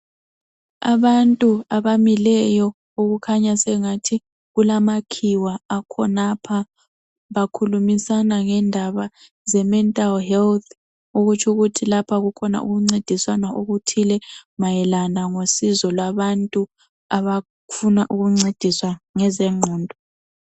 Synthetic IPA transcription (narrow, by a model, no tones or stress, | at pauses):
a̰βantʼuaβamilɛjɔ | oɣukʰaɲasɛŋatʰi | ɣulamakʰiwaːkʰɔnapʰa | βakʰulumisanaŋɛndʱaβa | zɛmɛntʼalhɛlt̪ʰ | oɣut͡ʃʰuɣutʰilapʰaɣukʰɔna̰ʔṵɣuŋ͡ǀed̥ʱiswanaoɣutʰilɛmajɛlanaŋosizɔlwaβantʼu | aβa | funaʔuɣuŋ͡ǀed̥ʱiswaŋɛzɛŋ͡ǃʱɔːndʱɔ